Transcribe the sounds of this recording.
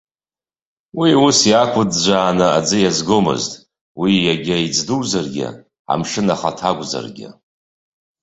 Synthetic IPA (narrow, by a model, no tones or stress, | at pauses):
wiusjakʷʰʊdd͡ʒʷaːnɨad͡zɨjazɡomɨ̰ztʼ | wijaɡʲaid͡zduwzarɡʲɪ̰ | a̰mʂɨnaχatʰaɡʷʼza̰rɡʲɪ̰